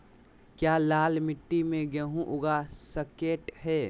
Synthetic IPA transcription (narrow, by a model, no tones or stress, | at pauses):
kjaːlaːlmɪʈːimẽɡɛɦũʔʊɡasəkeːʈɦɛː